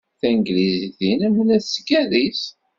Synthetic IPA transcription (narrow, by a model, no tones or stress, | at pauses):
θænɡliziθinæmːənæθsəkːæðis